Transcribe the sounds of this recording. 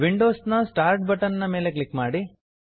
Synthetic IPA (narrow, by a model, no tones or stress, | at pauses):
ʋiɳɖoːsnɐsʈaːɾʈ̚bɐʈɐnnɐme̞ːle̞klikmaːɽi